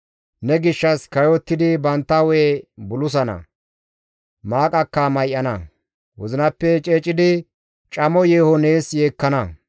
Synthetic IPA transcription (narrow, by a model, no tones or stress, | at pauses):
nɛɡɪʃːɐskɐjɔt̪ːɪd̪ɪbɐnt̪ːɐweːbʊlʊs̬ɐnɐ̰ | maːkʼɐkːɐmɐjʔːɐnɐ | wɔzɪnɐpːɛt͡ʃʼeːt͡ʃʼɪd̪ɪ | t͡ʃʼɐmɔjeːhɔneːsjeːkːɐnɐ